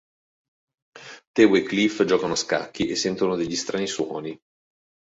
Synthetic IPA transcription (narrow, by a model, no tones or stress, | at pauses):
t̪ɛweklifd͡ʒɔːkanoaska̰kːiʔesːɛnt̪onod̪eʎːist̪ɾʔaːniswɔːni